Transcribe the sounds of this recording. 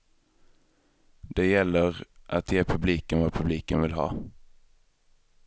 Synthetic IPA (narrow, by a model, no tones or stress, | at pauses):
d̪ɛjɛlːəʁʔat̪ʰjeːpʰɵbliːkənvɑːpʰɵbliːkənvɪlɦɑ̰ː